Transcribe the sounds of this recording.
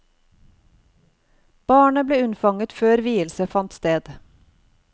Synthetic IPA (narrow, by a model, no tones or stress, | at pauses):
b̥ɑːɳəbleːʉnfɑŋət̪føːɾʋiːəlsəfɑnt̪st̪eːd̪